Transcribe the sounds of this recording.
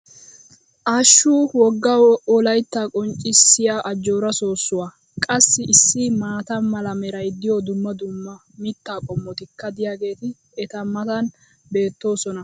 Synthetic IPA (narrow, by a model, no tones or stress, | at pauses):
ʔaːʃːuːwɔɡːɐwɔlɐjt̪ːaːkʼɔnt͡ʃʼːɪsːɪjaːʔɐd͡ʒːoːɾɐso̞ːsːʊwaː | kʼɐsːɪʔɪsːɪmaːt̪ɐmɐlɐmɛɾɐjd̪ːɪjod̪ʊmːɐd̪ʊmːɐ | mɪt̪ːaːkʼɔmːɔt̪ɪkːɐd̪ɪjaːɡe̞ːt̪ɪ | ɛt̪ɐmɐt̪ɐn | be̞ːt̪ːo̞ːsɔnɐ